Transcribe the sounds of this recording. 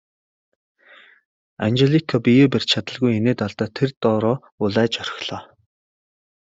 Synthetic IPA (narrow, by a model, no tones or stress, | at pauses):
a̰nt͡ɕeɮikʰapijeːper̥ʲt͡ɕt͡ɕʰat̪ə̆ɮɣujeneːt̪aɮt̪aːt̪ʰert̪ɔːɾɔː | ʊɮæːt͡ɕœɾʲɪ̥̆xɮ̥ɔː